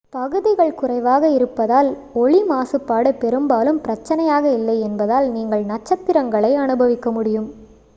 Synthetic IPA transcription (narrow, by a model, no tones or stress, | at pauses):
pɐɣɯðɪɣɐɭkʊrɐɪʋaːɣɐɪɾɯpːɐðaːl | ɔɭimaːsɯpːaːɽɯpːɛɾɯmbaːlɯmpɪɾɐt͡ʃːɐnɐjaːɣɐɪlːɐɪɛnbɐðaːlniːŋɡɐɭnɐt͡ʃːɐt̪ːɪɾɐŋɡɐɭɐɪɐnɯbɐʋɪkːɐmʊɽɪjɯm